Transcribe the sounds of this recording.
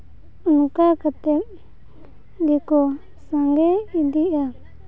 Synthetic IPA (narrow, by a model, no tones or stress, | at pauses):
unũkakat̪e | nd̪iko | saŋɡeind̪ia